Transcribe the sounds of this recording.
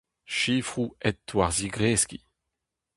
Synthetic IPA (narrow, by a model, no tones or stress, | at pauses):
ʃiːfʁuɛtːwaʁziɡʁeːski